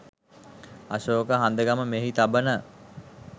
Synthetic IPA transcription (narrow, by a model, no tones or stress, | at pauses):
aʃoːkəɦand̪əɡaməmeɦit̪abənə